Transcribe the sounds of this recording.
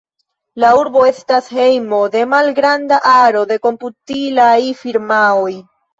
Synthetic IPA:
lauɾbo̞e̞stashe̞jmo̞de̞malɡɾandaʔaɾo̞de̞ko̞mputilajfiɾmaoj

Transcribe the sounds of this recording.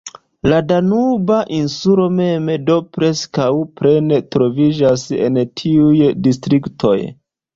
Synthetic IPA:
ladanubaʔinsulo̞me̞medo̞pɾe̞skawpɾe̞netɾo̞vid͡ʒasḛntʰiujdistɾiktʰo̞̰j

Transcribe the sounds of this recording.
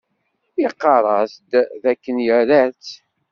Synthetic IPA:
jiqːɑɾˤɑsd̪ðækːənjəɾæt͡sː

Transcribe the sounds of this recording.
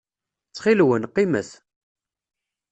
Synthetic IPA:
t͡sːχilwənqːiməθ

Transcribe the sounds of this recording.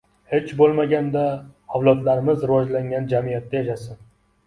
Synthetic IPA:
he̞t͡ʃbolˠmaɡʲand̪aɒwlˠɒt̪laɾɪmɪzɾɪwɒd͡ʒlaŋɡʲand͡ʒamijat̪ːajaʃasɪn

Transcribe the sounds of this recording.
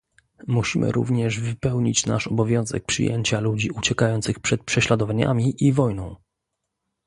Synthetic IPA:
muɕimʔɘ̰ɾṵvɲɛʐvɘpɛwɲit͡ɕnaʂɔbɔvʲjɔ̃w̃zɛ̰k̚pʂɘ̰jḛɲt͡ɕalud͡ʑiut͡ɕɛkajɔnt̪sɘxpʂɛt̪̚pʂɛɕlad̪ɔvaɲa̰mʲiʔivɔjnɔ̃w̃

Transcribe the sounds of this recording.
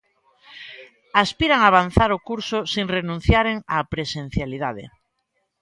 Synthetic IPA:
aspiɾaŋaːβ̞anθaɾokuɾsosiŋrenũn̟θjaɾeŋapɾesẽn̟θjalið̞aðḛ

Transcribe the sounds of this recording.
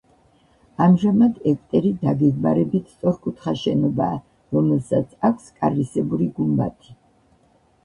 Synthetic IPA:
amʒamad̪ɛkʼt̪ʼɛɾid̪aɡɛɡmaɾɛbit̪ʰst̪sʼɔɾkʼut̪ʰχaʃɛnɔbaː | ɾɔmɛlˠsat̪sʰakʰskʼaɾɾisɛbuɾiɡumba̰t̪ʰi̥

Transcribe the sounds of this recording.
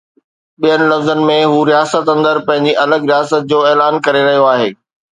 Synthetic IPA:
ɓijənɪ̆lɐfzənɪ̆mẽɦuːɾijaːsət̪ɐ̃nd̪əɾpɐ̃ɦɪ̃ɲd͡ʑiʔɐləɡɾijaːsət̪̚d͡ʑoːɛːlaːnkɐɾeɾɐɦijoaːɦeː

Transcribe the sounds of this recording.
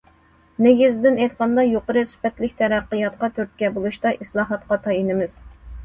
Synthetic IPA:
neɡʲizd̪ɪnɛjt̪qʰɑnd̪ɑjoqəɾɨsy̥pɛt̪lɪkʲt̪ʰɛɾæqːəjɑt̪qɑt̪ʰøɾt̪̚kʲɛbolˠuʃt̪ɑʔislˠɑːɦɑt̪qɑt̪ʰɑjinɪmɪz̥

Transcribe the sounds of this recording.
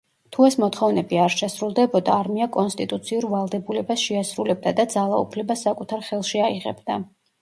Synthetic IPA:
t̪ʰuɛsmɔt̪ʰχɔvnɛbiaɾʃɛsɾulˠd̪ɛbɔd̪aːɾmiakʼɔnst̪ʼit̪ʼut̪sʰiuɾvalˠd̪ɛbulɛbasʃɛasɾulɛb̚d̪ad̪ad̪zalˠaṵpʰlɛbasːakʼut̪ʰaɾχɛlˠʃiaiʁɛ̰bd̪a

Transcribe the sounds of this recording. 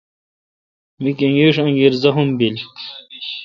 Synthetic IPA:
mikeŋɡeʂɐ̃ŋɡiɾzɐɦumbil

